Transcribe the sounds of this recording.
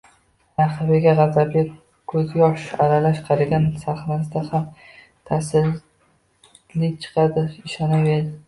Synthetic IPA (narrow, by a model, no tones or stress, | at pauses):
naχavɪɡʲaʁɑzabʲa | kʰɵzjɒʃaɾalaʃqʰɑɾaɡʲansaχnas̬d̪aham | t̪ʰasɪl | lɪt͡ʃʰɨ̥qʰɑd̪ɪɪʃanawed̪ɪ